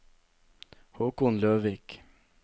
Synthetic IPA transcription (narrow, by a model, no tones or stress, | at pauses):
hoːkʊnløːʋiːk